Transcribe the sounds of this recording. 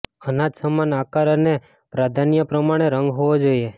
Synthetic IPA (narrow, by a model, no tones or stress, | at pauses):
ənad͡ʒsəmanakaɾəne | pɾad̪ʱanjəpɾəmaɽ̃eɾəŋɡɦoʋod͡ʒoie